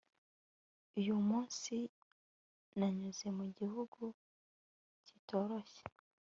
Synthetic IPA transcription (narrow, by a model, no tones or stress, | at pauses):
ujumuːnsi | naɲuze̞muɟihuɡu | cito̞ːɾoçe̥